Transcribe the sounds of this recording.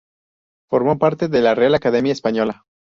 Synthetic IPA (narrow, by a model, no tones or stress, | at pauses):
fo̞ɾmo̞paɾt̪e̞ðe̞larealakað̞e̞mjaespaɲo̞la